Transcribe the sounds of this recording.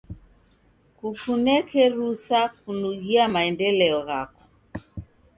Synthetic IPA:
kufunɛkɛɾusakunuɣiamaɛndɛlɛɔɣakɔ̥

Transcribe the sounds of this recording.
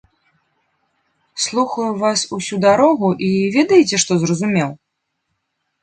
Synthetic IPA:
slˠuxɐjuvasusʲud̪aɾɔɣuʔivʲɛd̪ɐjt͡sʲɛʂt̪ɔzrɐzumʲɛw

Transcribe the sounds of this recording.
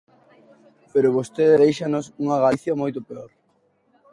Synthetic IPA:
peɾoβost̪eððejʃanosuŋɐɣaiθjɐmojt̪opeoɾ

